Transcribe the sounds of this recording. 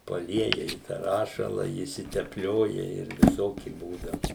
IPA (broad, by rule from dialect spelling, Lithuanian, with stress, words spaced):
pɐˈlʲiɛjɛ ɪ tɑː ˈrɑːʃɐlˠɐ ɪʃʲsʲɪtʲɛpʲˈlʲoːjɛ ˈɪr ʋʲɪˈsoːkʲɪ ˈbuːdɐʊ